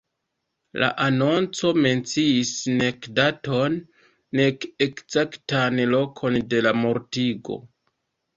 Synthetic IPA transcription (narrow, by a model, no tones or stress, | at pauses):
la̰ʔano̞nt͡so̞me̞nt͡siisne̞kdato̞nː | e̞ke̞kzaktanlo̞kʰo̞nde̞lamo̞ɾtiɡo̞̰